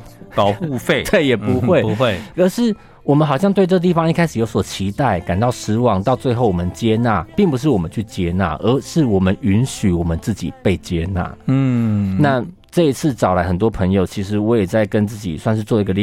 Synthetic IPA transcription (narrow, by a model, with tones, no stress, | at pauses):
u˥˧fe˥˨˩t̪we˥˩ɪjɛ˨˩pu˨˧˦xwe˥˩˧ə˧˥˦ʂɻ̩˥˩ | wɔ˨˩mə˨˦nxɑ˨ʊɕjɑ˥˧ŋt̪we˧ɪʈ͡ʂɤ˥˧t̪̬i˥˩fɑ˧˦ŋi˥kʰa˥ɪʂɻ̩˨˩jo˧˥ʊswɔ˨˩t͡ɕʰi˧˥t̪a˥˩ɪka˨nt̪ɑ˥˩ʊʂɻ̩˧˥wɑ˨˥ŋt̪ɑ˥˧ʊt͡swe˥˧ɪxo˥˩ʊwɔ˨˩mə˦nt͡ɕjɛ˦na˥˩pi˥˩ŋpu˧ʂ̬̩˥˩wɔ˨˩mə˦nt͡ɕʰy˥˩t͡ɕjɛ˥na̰˥˩ʔə˧˥ʂɻ̩˥˩wɔ˨˩mə˦ny˧˦˥nɕy˧˥wɔ˨˩mə˦nt͡sɹ̩˥˩t͡ɕḭ˨˩pe˥˩ɪt͡ɕjɛ˦na̰˥˩˥na˥˨ | ʈ͡ʂɤ˥˧˨i˧˥t͡s̩ʰ˥˩ʈ͡ʂɑ˨˩ʊla˧˦ɪxə˨˩nt̪̬wɔ˥pʰə˧˥ŋjo˨˩ʊt͡ɕʰi˧˥ʂ̬ɻ̩˧˥wɔ˧˥jɛ˨˩t͡sa˥˩ɪkə˦˥nt͡sɹ̩˥˩t͡ɕḭ˨˩swa˥˧nʂ̬ɻ̩˥˧t͡swɔ˥˧d̪ə˧˥ɡə˧l